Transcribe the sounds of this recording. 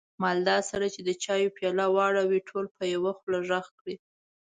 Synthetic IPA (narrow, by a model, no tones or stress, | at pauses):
mɑld̪ɑsaɾat͡ʃed̪ət͡ʃɑjopjɑlawɑɽawiʈʰolpəjawaxlaʒaxkɽi